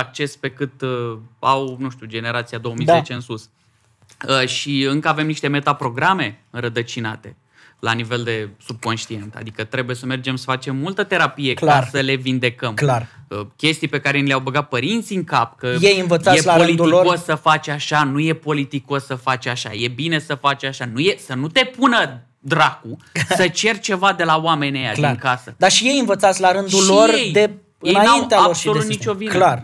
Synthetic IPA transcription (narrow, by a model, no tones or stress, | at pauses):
ak̚t͡ʃe̞spe̞kɨt̪awnuʃt̪ʲud͡ʒe̞ne̞ɾat̪siad̪o̞omijzet͡ʃe̞ɨnsus | əʃiɨŋkəave̞mniʃt̪e̞me̞t̪apɾo̞ɡɾame̞ɨnɾəd̪ət͡ʃina̰t̪e̞̰ | lanive̞ld̪e̞sub̚ko̞nʃt̪ie̞nt̪a̰d̪ikət̪ɾe̞buje̞səme̞rd͡ʒe̞msə̥fat͡ʃe̞mːult̪ət̪e̞ɾapije̞kklasəle̞vind̪e̞kəmlarəkʲe̞st̪ijpe̞kaɾe̞nileawbəɡat̪̚pəɾint̪siɨŋkapkəjejɨnvət̪sajelaolit̪uiokosːəfat͡ʃʲaʃanuje̞po̞lit̪iko̞sːəfat͡ʃʲaʃa̰je̞bine̞səfat͡ʃʲaʃanujesənut̪e̞punə | d̪ɾakussət͡ʃe̞rʲt͡ʃe̞vad̪e̞lawame̞nʲeja̰aŋkasəd̪aʃije̞jɨnvət̪sat̪sʲlaɾɨnd̪ulorejd̪e | ɨjenanaineaaosʃiolut̪nit͡ʃʲo̞vilar